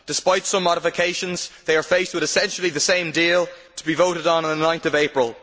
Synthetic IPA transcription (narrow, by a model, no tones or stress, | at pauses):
d̥ɪspaɪtsʌ̃mːɔɾɪfɪkʰeɪʃə̃nzðeɪə˞feɪst̚wɪðɪsɛ̃nʃl̩ˠiðəsẽɪ̃mdiːlˠ | tʰə̥bivoʊɾɪɾn̩n̩ðənãɪ̃nθəveɪpɹəlˠ